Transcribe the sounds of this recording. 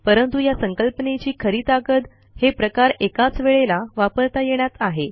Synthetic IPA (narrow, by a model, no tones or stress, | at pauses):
pəɾənt̪ujasəŋkəlpənet͡ɕiːkʰəɾiːt̪akət̪ | hepɾəkaɾekat͡sʋeɭelaʋapəɾt̪ajeɳ̃jat̪aɦe